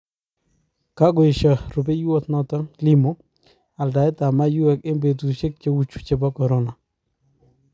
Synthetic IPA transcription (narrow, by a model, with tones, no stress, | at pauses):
ka˦ɡo˨ɪ˨ʃa˨ɾʊ˨b̬e˦ju˦ɔ˦t̪nɔ˦tɔ˦ŋli˦mo˦ | a˨lda˨ɪ˦ta˨ma˦ju˦ɛ˨˦kɪ˦mbe˨t̬u˨ʃe˦k̚t͡ʃe˦wu˦t͡ʃu̥˨t͡ʃe˨ba˦kɔ˨ɾɔ˦na˨